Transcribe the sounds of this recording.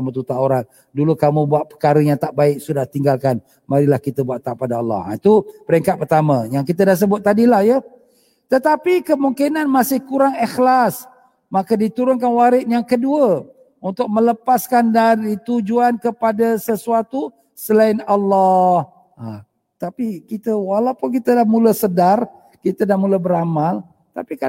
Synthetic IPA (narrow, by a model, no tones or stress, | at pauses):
mət̪ut̪auɾat̪̚ | dulukamubuat̪̚pəkaɾəjaŋt̪aʔbaɪk̚sudaht̪iŋɡalkan | maɾilahkit̪əbuaʔt̪ːaʔpadaalːɔ̰ha̰it̪upəɾɛŋkat̪̚pərt̪aməjaŋkit̪ədas̬əbʊt̪̚ːadilahjə | t̪ət̪apikəmuŋkinanmasɪhkuɾaŋixlas | makədit̪uɾʊnkanwaɾɪt̪̚jaŋkəduə | unt̪ʊk̚mə̃ləpaskandaɾit̪ud͡ʒuankəpadasəsuat̪u | səlaɪnalːɔh | a̰ | t̪apikit̪əwalawpʊnkit̪ədahmuləsədar | kit̪ədahmuləbəɾamal | t̪a̰pika